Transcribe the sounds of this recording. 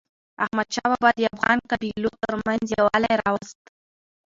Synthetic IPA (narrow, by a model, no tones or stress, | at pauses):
ahmad̪ʃɑbabɑd̪əafɣɑnkabilot̪əɾmanzjawalajɾɑwast̪